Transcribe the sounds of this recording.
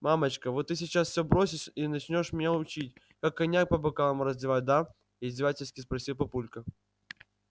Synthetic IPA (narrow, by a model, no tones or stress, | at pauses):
mamət͡ɕkəvot̪ːɨs̬ʲɪt͡ɕasfsʲobɾosʲɪʂinɐt͡ɕnʲo̞ʂmʲɪnʲaʊt͡ɕitʲ | kakːɐnʲak̚pɐbɐkalˠəmʊɾəzʲdʲɪvatʲd̪a | ɪzʲdʲɪvatʲɪlʲsʲkʲɪspɾɐsʲilˠpɐpulʲkə